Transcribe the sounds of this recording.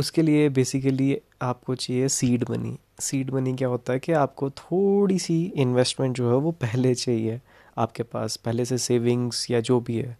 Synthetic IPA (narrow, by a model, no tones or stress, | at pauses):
ʊskeliebeːsɪkəli | aːp̚kot͡ʃaːɦiesiːɖbɐ̰nḭ | siːɖmɐnik̬jaːɦoːt̪aɦɛkiaːp̚kot̪ʰoːɽisiɪ̃nʋɛsʈmɛ̃ɳʈ̚d͡ʒoːɦɛʋopɛɦlet͡ʃaːɦie | aːp̚kepa̰ːspɛɦleseseːʋɪ̃ŋz̥jad͡ʒoːbʱiɦɛ̰ː